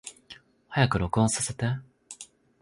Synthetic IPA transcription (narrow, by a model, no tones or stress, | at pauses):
hajakɯ̟ɾo̞kɯ̟õsase̞t̪e